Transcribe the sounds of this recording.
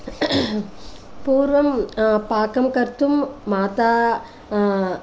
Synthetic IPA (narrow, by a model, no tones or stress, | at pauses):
puːɾʋɐmpaːkɐmkɐɾt̪ːumːaːt̪aː